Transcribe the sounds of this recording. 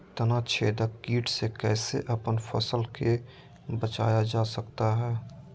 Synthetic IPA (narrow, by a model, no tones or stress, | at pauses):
t̪ɐnat͡ʃʰeːd̪əkiːʈsekɛːseʔɐpənfɐ̰səlke | bət͡ʃa̰ːjad͡ʒaːsəkt̪aɦɛː